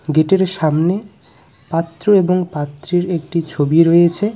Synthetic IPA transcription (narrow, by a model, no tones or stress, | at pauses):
ɡeʈeɾʃamne | pat̪ːɾoeboŋpat̪ːɾiɾek̚ʈit͡ɕʰobiɾoet͡ɕʰe